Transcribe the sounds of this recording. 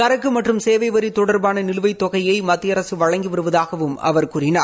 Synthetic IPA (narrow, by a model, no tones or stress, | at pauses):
kɐɾɐkːɯmɐʈrɯmseːʋɐɪʋɐɾit̪ɔɽɐɾbaːnɐnɪlɯʋɐɪt̪ːɔɣɐjɐɪmɐt̪ːɪjɐɾɐsɯʋɐɻɐŋɡiʋɪɾɯʋɐðaːɣɐʋɯmɐ̰ʋɐɾkuːɾɪnaː